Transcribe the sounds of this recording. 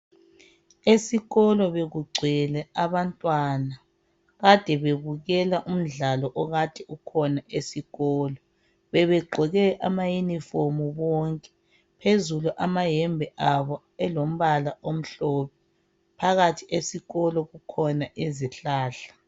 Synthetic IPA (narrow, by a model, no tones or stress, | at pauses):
esiɣɔlɔβeɣuɡ͡ǀʱɛlɛaβantʼwana | ɣad̥ʱɛβeβuɣɛlaʔum̩ɮalɔʔɔɣatʰʼɛukʰɔnaʔesiɣɔːlɔ | βɛβɛɡ͡ǃʱɔɣɛʔa̰majuniformuβɔŋkʼɛ̥ | pʰezuluʔamajɛmbʱɛʔaβɔ | ɛlom̩βalaʔom̩ɬɔːpʰɛ | pʰaɣatʰiʔesiɣɔlɔɣukʰɔnaʔeziɬaːɬḁ